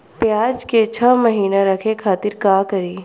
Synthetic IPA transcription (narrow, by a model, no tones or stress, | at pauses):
pjaːd͡ʒket͡ʃʰəməɦiːnaɾɐkʰekʰaːt̪ɪɾkaːkɐɾiː